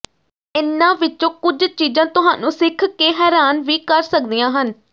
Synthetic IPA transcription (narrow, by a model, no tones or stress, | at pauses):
ɪnːãːʋɪt͡ʃːõːkʊd͡ʒt͡ʃiːd͡ʒãːt̪ʊɦa̰ːnũːsɪkʰkeːɦɛːɾaːnʋiːkəɾsək̚d̪ijãːɦən